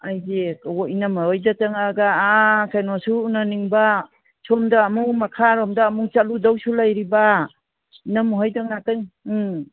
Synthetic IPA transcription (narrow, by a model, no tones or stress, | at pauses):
ajzeoinamaɔjdataŋaɡaːkʰajnɔsuːnaniŋba | sʰɔmdaːmuŋmakʰaɾɔmdaːmuŋt͡ʃaludawsulajɾiba | inamuɦɔjdaŋnatɯŋ